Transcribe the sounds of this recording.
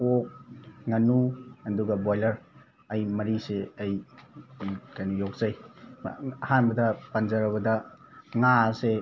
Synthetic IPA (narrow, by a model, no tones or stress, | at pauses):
ok̚ŋɐnuɐduɡɐbojlɐɾ | ɐjmɐɾiseɐj | kajnujok̚zaj̰ | ɐhanbɐdɐpanzɐɾɐbɐdɐŋase